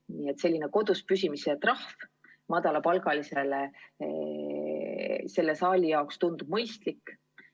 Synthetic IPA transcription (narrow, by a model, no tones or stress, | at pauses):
niːet̪se̞lʲːineko̞d̪̥uspysʲimiset̪rɑhf | mɑd̪̥ɑlɑpɑlɡɑlise̞le | se̞lːe̞sɑːlʲijɑokst̪und̪ub̥mɤjst̪likː